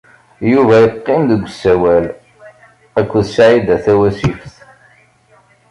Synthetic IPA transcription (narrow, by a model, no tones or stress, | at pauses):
juvæjəqːɪmðəɡʷːsːæwæl | ækʷːðsʕid̪æθæwæsifθ